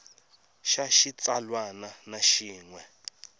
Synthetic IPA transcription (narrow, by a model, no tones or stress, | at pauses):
ʃaʃit͡sʼalwananaʃiːŋwɛ